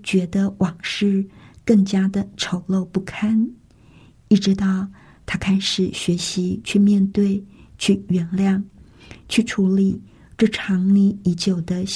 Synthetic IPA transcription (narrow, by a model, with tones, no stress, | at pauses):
t͡ɕɥɛ˧˥d̪ə˧wɑ˨˩ŋʂɻ̩˥˧kɤ˥˩ŋt͡ɕja˥d̪ə˨ʈ͡ʂʰo˧˥ʊlo˥˧ʊpu˥˩kʰa˥n | i˥˩ʈ͡ʂɻ̩˧˥t̪ɑ˥˩ʊ | t̪ʰa˥kʰa˥ɪʂɻ̩˨˩ɕɥɛ˧˥ɕi˧˥t͡ɕʰy˥˧mjɛ˥˧nt̪we˥˩ɪt͡ɕʰy˥˩ɥɛ˧˥nljɑ˥˩ŋ | t͡ɕʰy˥˩ʈ͡ʂʰu˧˥li˨˩ | ʈ͡ʂɤ˥˩ʈ͡ʂʰɑ˧˥ŋni˧˥i˧˥t͡ɕjo˨˩ʊd̪ə˦